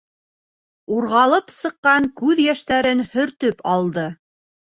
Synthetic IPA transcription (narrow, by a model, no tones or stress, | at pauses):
uɾʁɑlˠɤpsɤ̆qːɑŋkʉðjæʃt̪æɾɘnhɵ̆ɾt̪ɵpɑlˠd̪ɤ